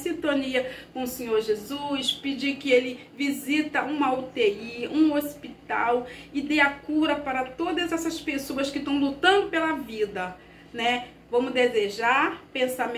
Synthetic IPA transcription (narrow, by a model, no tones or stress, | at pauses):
sĩnt̪õniɐkõʊsẽɲoɾʒezuspɪd͡ʒikɪelɪ | vizit̪ɐũmɐut̪eiũospit̪a̰wɪd̪eakuɾɐpaɾɐt̪od̪ɐzɛsɐspesoɐskɪt̪ɐ̃w̃lut̪ɐ̃nd̪ʊpelɐvid̪ɐ | nɛ | vɐ̃mʊd̪ezeʒaɾpẽsam